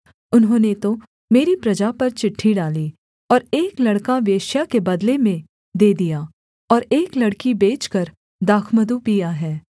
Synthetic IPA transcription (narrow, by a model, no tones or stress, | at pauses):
ʊnɦõːnet̪o | meːɾipɾɐd͡ʒapɐɾt͡ʃɪʈʰːiɖaːli | ɔːɾeːklɐɽkaʋeːʃjakebɐd̪lemẽ | d̪eːd̪ijaː | ɔːɾeːklɐɽkibeːt͡ʃkɐɾ | d̪aːkʰməd̪upijaɦɛː